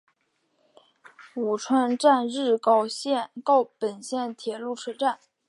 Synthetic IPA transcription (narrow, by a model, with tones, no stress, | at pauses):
u˨˩ʈ͡ʂʰwa˥nʈ͡ʂa˥˧nɻɻ̩˥˧kɑ˥˧ʊɕjɛ˥˧kɑ˥˩ʊpə˨˩nɕjɛ˥˩nt̪ʰjɛ˨˩lu˥˩ʈ͡ʂʰɤ˥ʈ͡ʂa˥˩n